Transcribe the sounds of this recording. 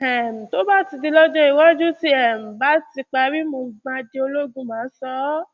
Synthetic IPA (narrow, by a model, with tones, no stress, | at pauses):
ɛ˨m̩˨to˨˦ba˦˨ti˨˧di˧lɔ˦d͡ʒɔ̃˦i˨wɔ˦d͡ʒu˦ti˦ɛ˦˨m̩˨ba˦ti˧k͡pa˧ɾi˦mo˧ɡ͡bã˧d͡ʒe˧o˧lo˦ɡũ˦mãː˨˦sɔ˦